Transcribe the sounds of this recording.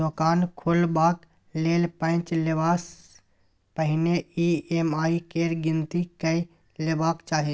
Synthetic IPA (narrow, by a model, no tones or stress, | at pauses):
oːkaːnkʰʊlbaːk | leːlpə̃t͡ʃlebaːs | pəɦɪneiemaːikeːɾɡɪnt̪ikəi | leːbaːkt͡ʃaːɦe